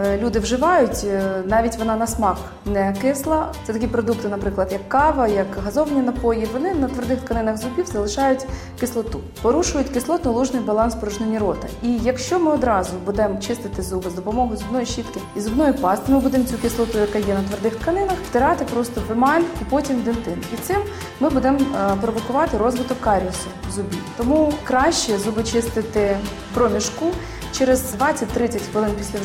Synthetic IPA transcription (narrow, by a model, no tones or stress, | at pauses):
lʲud̪ɪwʒɪʋɑjʊtʲnɑʋʲitʲʋɔnɑnɐsmɑx | nɛkɪslˠɐt̪sɛt̪ɐkʲipɾɔd̪uk̚t̪ɪnɐpɾɪklˠɐd̪jɐkːɑʋɐjɐkɦɐzɔʋnʲinɐpɔjiʋɔnɪnɐt̪ʋerd̪ɪxt̪kɐnɪnɐɣzʊbʲiwzɐlˠɪʃɑjʊtʲ | kɪslˠɔt̪u | pɔɾuʃʊjʊtʲkɪslˠɔt̪nɔlˠuʒnɪjbɐlˠɑnspɔɾʊʒnenʲiɾɔt̪ɐijɐkʃt͡ʃɔmɪɔd̪ɾɑzʊbud̪ɛmt͡ʃɪst̪ɪt̪ɪzubɪzd̪ɔpɔmɔɦʊzʊbnɔjiʃit̪kɪizʊbnɔjipɑst̪ɪmɪbud̪ɛmt͡sʲukʲɪslˠɔt̪ʊjɐkɑjɛnɐt̪ʋɐrd̪ɪxt̪kɐnɪnɐxft̪ɪɾɑt̪ɪpɾɔst̪ɔʋɪmɑlʲkʊpɔtʲimd̪ent̪ɪnit̪sɪmː | ɪbud̪ɛmpɾɔʋɔkʊʋɑt̪ɪɾɔzʋɪt̪ɔkkɑɾʲɔsʊzʊbʲit̪ɔmukɾɑʃʲt͡ʃɛzubɪt͡ʃɪst̪ɪt̪ɪ | pɾɔmʲiʃku | t͡ʃɛɾɪzd̪ʋɑt͡sʲːɐtʲt̪ɾɪt͡sʲɐtʲpɔɪnpʲisʲlʲɐ